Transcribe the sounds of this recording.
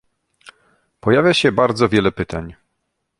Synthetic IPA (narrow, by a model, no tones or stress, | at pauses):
pɔjavʲjaɕɛbaɾd̪zɔvʲjɛlɛpɘt̪aɲ